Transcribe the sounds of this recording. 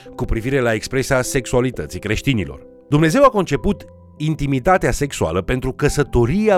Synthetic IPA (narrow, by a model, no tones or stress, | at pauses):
kupɾiviɾe̞laekspɾe̞sease̞ksualit̪ət̪sikɾe̞ʃt̪inilo̞̰r | d̪umne̞ze̞wako̞nt͡ʃe̞put̪ | int̪imit̪at̪ease̞ksua̰ləpe̞nt̪ɾukəsət̪o̞ɾiea